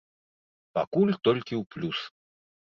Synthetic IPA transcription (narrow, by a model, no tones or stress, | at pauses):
pakulʲt̪ɔlʲkʲiuplʲus